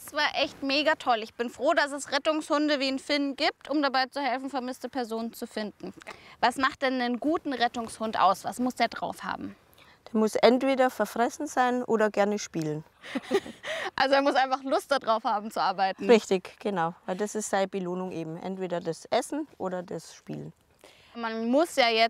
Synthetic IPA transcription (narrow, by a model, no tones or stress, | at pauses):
sv̥aːɐʔɛçtmeːɡatʰɔlɪçb̥ɪnfʁ̥oːdasɛsʁɛtʊŋshʊndəviːnfɪnɡiːp̚tʔʊmdabaɪt͡suhɛlfn̩fɛɐmɪstəpʰɛɐzoːnənt͡sufɪndn̩vasmaχt̚d̥ɛnːənɡuːtn̩ʁɛtʊŋshʊntʔa̰ʊsv̥a̰smʊsd̥eːɐdʁa̰ʊfha̰ːbm̩ | d̥eːɐmʊsʔɛntv̥eːdɐfɛɐfʁ̥ɛsn̩zaɪnʔo̰ːdɐɡɛɐnəʃpiːlən | ʔalzoeːɐmʊsʔaɪnfaχlʊstd̥adʁaʊfhaːbm̩t͡suʔaɐbaɪtn̩ʁɪçtɪçɡ̥ənaʊvaɪldasɪstz̥aɪəbəloːnʊŋʔeːbm̩ʔɛ̰ntv̥eːɾɐdasʔɛsn̩ʔoːɾɐdasʃpḭːlən | manmʊsjaːjɛ